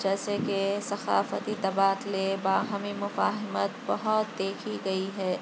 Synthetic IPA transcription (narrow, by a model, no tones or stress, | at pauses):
d͡ʒɛːsekesɐxa̰ːfət̪it̪ɐbaːd̪lebaːɦɐmimʊfaːɦɪmət̪bɐɦʊt̪̚d̪eːkʰiɡɐiɦɛː